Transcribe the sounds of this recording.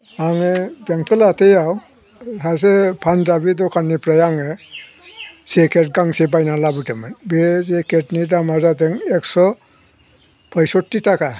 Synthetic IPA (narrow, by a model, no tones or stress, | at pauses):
aŋɛbaŋtʰɔlatejaw | sas̬ɛpʰandabit̬ɔkʰanipɾajaŋɛ | sekɛtɡaŋsebajnalabutɛmanbɛsekɛtnidamazatɛŋɛksɔ | pʰɔjsɔtːitaka